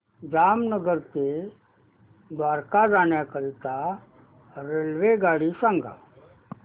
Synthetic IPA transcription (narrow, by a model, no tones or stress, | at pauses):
d͡zamnəɡəɾt̪e | d̪ʋaɾkad͡zaɳjakəɾit̪a | ɾelʋeɡaɽisãŋɡa̰